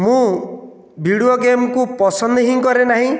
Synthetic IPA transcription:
mũ | bʱiɽioɡemkupɔsɔnd̪ɔɦiŋkɔɾenaɦĩ

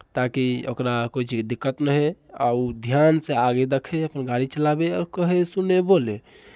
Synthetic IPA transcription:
t̪akiokɾakot͡ʃʰd̪ikːət̪nəɦea̰ud̪ʱjanseaɡed̪əkʰeəpənɡaɽit͡ʃəlabeɔɾkəɦesunebole

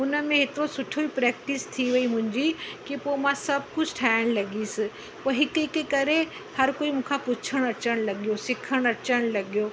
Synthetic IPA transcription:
ʊnəmẽɦɪt̪osʊʈʰoipɾɛːk̚ʈɪst̪ʰiʋɐimʊ̃ɦɪ̃ɲd͡ʑikipomãsɐb̚kʊd͡ʑʰʱʈʰaːɪɽ̃lɐɡiːsɪ | poɦɪkikekɐɾe | hɐɾkoːimũːkʰapʊt͡ʃʰəɽ̃ɐt͡ʃəɽ̃lɐɡijosɪkʰəɽ̃ɐt͡ʃəɽ̃lɐɡijoː

